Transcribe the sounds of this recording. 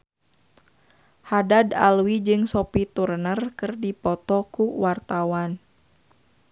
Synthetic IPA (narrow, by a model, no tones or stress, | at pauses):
hadada̰lwid͡ʒɨŋsɔpit̪urnərkɨrdipɔt̪ɔkuwart̪awan